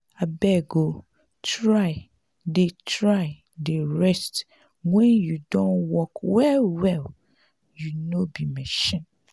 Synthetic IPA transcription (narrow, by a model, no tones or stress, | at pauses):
abɛɡo | tʰɾaɪ | detʰɹaɪ | deɹɛst | wɛ̃njudõnwɔkwɛwɛl | junobimɛʃɛ̃n